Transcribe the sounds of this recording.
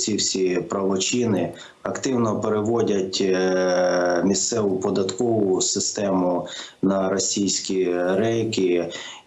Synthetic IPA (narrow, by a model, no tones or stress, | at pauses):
sʲiwsʲipɾɐʋɔt͡ʃinɪ | ɐkt̪ɪwnɔpeɾeʋɔdʲɐtʲ | mʲist̪sɛʋʊpɔd̪ɐt̪kɔʋʊsɪst̪ɛmʊnɐɾɔsʲijsʲkʲiɾɛjkʲɪ